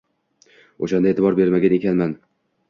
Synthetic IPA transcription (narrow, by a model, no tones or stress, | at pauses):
oʃand̪aet̪ʰɪbɒɾbe̞ɾmaɡʲane̞kʲanman